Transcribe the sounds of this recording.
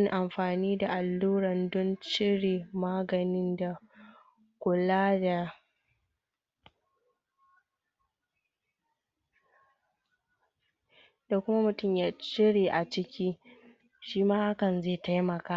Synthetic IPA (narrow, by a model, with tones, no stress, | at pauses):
ŋʔa˨mɸaː˨niː˦da˨ʔa˨lːuː˦ɽɐ˨ndɔ˦nt͡ʃɪ˦ɽeː˨maː˦ɡɐ˨nɪ˦nda˨ | kʷʊ˨laː˦da˨ | da˨kʷʊ˦ma˦mʊ˨tʊ˦˨mjaː˦t͡ʃɪ˦ɽeː˨ʔa˨t͡ʃɪ˦kʲiː˦ | ʃiː˦maː˦ha˦kɐ˨nzeː˦˨ta˦jmɐ˨kaː˦